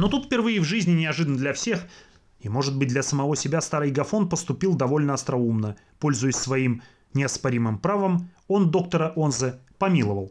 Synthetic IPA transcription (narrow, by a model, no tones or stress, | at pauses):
no̞t̪ut̪fʲpʲɪrvɨjɪvʐɨzʲnʲɪnʲɪɐʐɨd̪ənəd̪lʲɐfsʲe̞x | imo̞ʐɨd̪̚bɨt̚ʲd̪lʲɐsəmɐvo̞sʲɪbʲast̪aɾɨjɡɐfo̞npəst̪ʊpʲilˠd̪ɐvo̞lʲnəɐst̪ɾɐumnə | po̞lʲzʊjɪsʲsvɐim | nʲɪɐspɐɾʲimɨmpɾavəmo̞nd̪o̞k̚t̪əɾəʔonzɨ | pɐmʲilˠəvəlˠ